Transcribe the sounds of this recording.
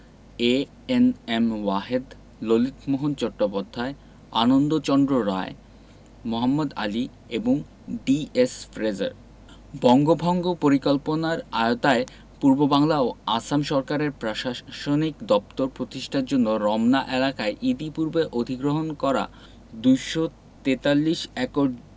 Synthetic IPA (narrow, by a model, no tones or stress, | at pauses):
e | enemwaɦed̪ | lolit̪ʰmoɦont͡ɕɔʈːopod̪ʱːae | a̰nond̪ot͡ɕɔnd̪ɾoɾa̰e | moɦamːod̪a̰li | eboŋ | ɖiesfɾed͡ʑa̰ɾ | bɔŋɡobʱɔŋɡopoɾikɔlponaɾa̰eot̪ae | puɾbobaŋlaoasamʃɔɾkaɾeɾpɾoʃaʃonikd̪ɔp̚t̪oɾpɾot̪iʃʈʰaɾd͡ʑonːoɾɔmnaʔelakaeʔid̪ipuɾbeʔod̪ʱiɡɾoɦonkɔɾa̰ | d̪ujʃo | t̪et̪alːiʃɛkoɖ